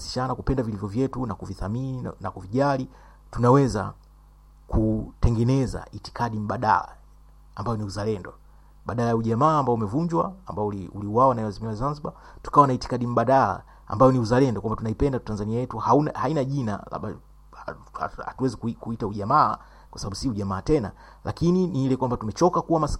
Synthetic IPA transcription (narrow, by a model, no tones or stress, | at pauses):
si̥t͡ʃanakupɛndavilivjɔvjɛtunakuviθamininakuviʄali | tunawɛza̰ | kutɛŋɡɛnɛza̰ʔiti̥kʰaɗim̩ɓaɗa̰la̰ | ambajɔniuzalɛndɔ | ɓaɗalajauʄamaːmbaɔumɛvuɲd͡ʒwa̰ambaɔliuliwawanajɛwazimiwazanziɓa | tu̥kawanaiti̥kaɗim̩ɓaɗala̰ | a̰mbajɔniuzalɛndɔkwambatunaipɛndatanzaniajɛtuhaunahainaʄina̰la̰ɓa̰ | ha̰tuwɛzikuikuitauʄamaː | kwasaɓaɓusiuʄamaːtɛna̰ | lʔakininiilɛkwambatumɛt͡ʃɔkakuwamas